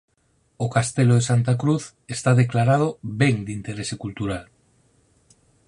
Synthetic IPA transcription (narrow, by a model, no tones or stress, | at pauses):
okast̪eloð̞esant̪akɾuθ | est̪aðeklaɾað̞obeŋd̪int̪eɾesekult̪uɾal